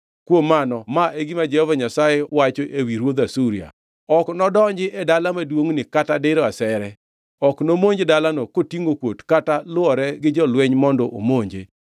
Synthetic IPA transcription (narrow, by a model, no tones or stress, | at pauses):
kwomːanɔmaʔeɡimad͡ʒɛhɔvaɲasajewat͡ʃoʔewiɾwod̪asuɾia̰ | ɔknɔdɔɲd͡ʒɪʔɛdalamadwoŋnɪkatadɪɾɔasɛɾɛ | ɔknomoɲd͡ʒedalanɔkotiŋɡokwotkatalʊɔɾɛɡɪd͡ʒɔlwɛɲmɔndɔʔo̰moɲd͡ʒḛ